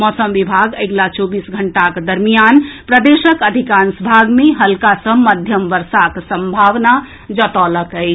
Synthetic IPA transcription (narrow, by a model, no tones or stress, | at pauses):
mɔsəmʋibʱaɡəɡlat͡ʃobisɡʱəɳʈakd̪əɾmijanpɾəd̪esəkəd̪ʱikansbʱaɡmeɦəlkasəməd̪ʱjəmʋəɾsaksəmbʱaʋna | d͡ʒət̪ɔləkəɪt͡ʃʰ